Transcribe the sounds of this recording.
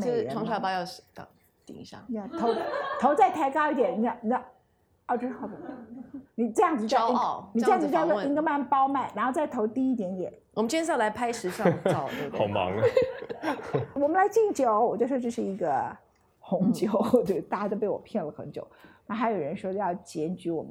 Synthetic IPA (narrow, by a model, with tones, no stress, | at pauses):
me˥˩˥ɑ˧˥ŋʂʰpɑ˥˧jɑ˥˧˩ʊɕt̪ɑ̰˨˩ŋ | t̪ḭ˨˩ŋi˧˥ɕja̰˥˩ja˧˩t̪ʰo˧˥ʊt̪ʰo˧˥ʊt͡sa˥˧ɪt̪ʰa˥˩ɪkɑ˥ʊi˥˩d̪jɛ˨˩ni˧˩˥n˨˩a˥˩ | ɑ˥˩ʈ͡ʂ̩˥xɑ˥˩˨ | ni˨˩ʈ͡ʂɤ˥˧jɑ˥˩ŋt͡s̩˩˧t͡ɕjɑ˥˧˥ni˨˩˥jɑ˥˧˩d͡z̩˧˥t͡ɕɑ˥˧˥i˥ŋɡə˧ma˥˩npɑ˥ʊma˥˩nɻa˧˥nxo˥˧ʊt͡sa˥˩ɪt̪ʰo˧˥ʊt̪i˥˧i˥˩t̪jɛ˧˥nt̪jɛ̰˨˩˦nwɔ˨˩mə˦nt͡ɕʰjɛ˥nsɑ˥˩la˧˥ɪpʰa˥ɪʂɻ̩˧˥ʂɑ˥˩˥ɑ˨˩ʊmɑ̰˧˥ŋ | wɔ˨˩mə˦la˧˥ɪt͡ɕi˥˩ŋt͡ɕjo˨˩˦ʊwɔ˨˩t͡ɕjo˥˧ʊʂwɔ˥ʈ͡ʂɤ˥˧ʂɻ̩˥˩i˧˥ɡə˧ | xʊ˧˥ŋt͡ɕjo˨˩˦ʊwe˥˩ɪ˧t̪a˥˩t͡ɕa˥˩t̪o˥ʊp̬e˥˩ɪwɔ̰˨˩pʰjɛ˥˩nlə˩xə˧˥nt͡ɕjo̰˨˩˦ʊna˥˩xa˧˥ɪjo˨˩ʊɻə˧˦nʂwɔ˥d̪ə˧jɑ˥˩ʊt͡ɕjɛ˧˥nt͡ɕy˧˥wɔ˨˩mə˦